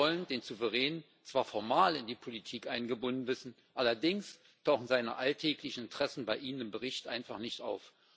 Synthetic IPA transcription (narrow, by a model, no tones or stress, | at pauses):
ɔləndeːnzuvəʁɛːnən | t͡sv̥aːɐfɔɐmaːlɪndiːpʰolitʰiːkʔaɪnɡəbʊnn̩vɪsn̩ | ʔalɐdɪŋs | tʰaʊχn̩zaɪnə̰ʔaltʰɛːklɪçn̩ɪntʁ̥ɛsn̩baɪʔiːnənɪmbəʁɪçtʔa̰ɪnfaχnɪçtʔa̰ʊf